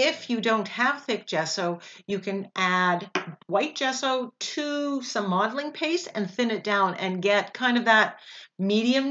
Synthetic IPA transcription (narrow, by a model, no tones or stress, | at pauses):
ɪfjɨdõʊ̃nt̚hɨv̥θɪk̚d̥ʒ̥ɛsoʊjɨkʰɨ̃nʔædwaɪt̚d̥ʒ̥ɛsoʊtʰɨsʌ̃mːɑdl̩ˠɪ̃ŋpʰeɪsɨ̰̃nθɪ̃nɨt̚d̥ãʊ̃nɨ̃nɡɛt̚kʰãɪ̃ndʌvðət̚miɾiɨ̃m